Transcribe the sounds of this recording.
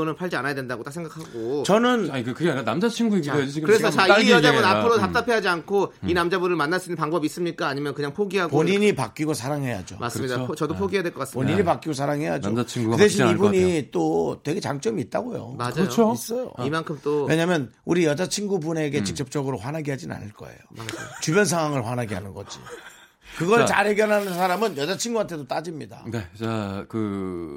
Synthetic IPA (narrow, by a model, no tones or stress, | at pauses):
ʌnɯnpʰaɭd͡ʑianajadwe̞ndaɡot͈ak̚sʰeŋɡakʰaɡot͡ɕʌnɯnnkkɯɡeaanamd͡ʑat͡ɕʰinɡuiɡed͡ʑisʰikɯɾesʰʌt͡ɕaijʌabunapʰɯɾotap̚t͈apʰeɦad͡ʑiankʰoinamd͡ʑabuɾɯɭmanːas͈uinːɯnpaŋbʌbis͈ɯmɲik͈aːɲimjʌnkɯɲaŋpʰoɡiɦaɡpoɲiɲipak͈iɡosʰaɾaŋɦe̞ja̰d͡ʑo̰mʔa̰sɯmɲidaʌdopʰoɡieadwekʌk͈aspoɲiɲipak͈iɡosʰaɾaŋɦe̞ja̰d͡ʑot͡ɕʰiŋkɯdeɕ̬ʰinibuɲit͈otwe̞ɡe̞t͡ɕaŋt͡ɕ͈ʌmiːt̚t͈aɡojo̰mʰs͈ʌjo̰imankʰɯmt͈owe̞ɲamjʌnuɾijʌd͡ʑat͡ɕʰinɡubune̞ɡe̞t͡ɕik̚t͡ɕ͈ʌp̚t͡ɕ͈ʌɡɯɾoɸwanaɡiɦad͡ʑina̰nɯɭk͈ʌ̰e̞̰jo̰at͡ɕubjʌns̬ʰaŋwaŋɯɭɸwanɦaɡiɦanɯnɡʌd͡ʑḭ | kɯɡʌɭt͡ɕa̰ɭɦe̞ɡjʌnɦanɯnsʰaɾamɯnjʌd͡ʑat͡ɕʰinɡuantʰe̞dot͈ad͡ʑimɲida̰neakɯ